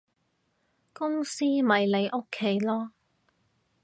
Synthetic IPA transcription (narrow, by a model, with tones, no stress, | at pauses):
kʊ˥ŋsiː˥mɐ˨jle˨˧jʔo˥kʰːe˥jlɔː˥